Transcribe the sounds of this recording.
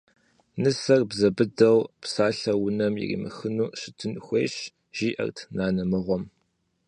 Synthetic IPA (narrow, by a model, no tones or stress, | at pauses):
nɨsɐrbzɐbɨdɐwpsaːɬɐwʊnɐmjḭrḭːmɨ̰xɨnuːɕɪtʰɨnxʷḛːɕ | ʒ̥iːʔɐ̰rtʰnaːnɐmɨʁʷɔm